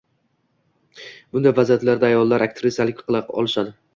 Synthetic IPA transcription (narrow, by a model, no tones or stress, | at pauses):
b̥ʊnd̪ajvazijat̪laɾd̪aːjɒlˠːaɾʔak̚ʲt̪ʰɾɪsjalɪkʲqʰɨlˠɑqɒ̰lˠɪʃad̪ɪ